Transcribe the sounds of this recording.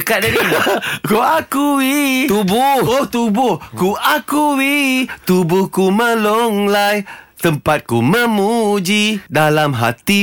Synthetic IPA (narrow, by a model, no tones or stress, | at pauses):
kat̪̚dadikuakuwit̪ubʊoht̪ubʊhkuakuwit̪ubʊhkuməloŋlajt̪əmpat̪̚kuməmud͡ʒidalamɦa̰t̪i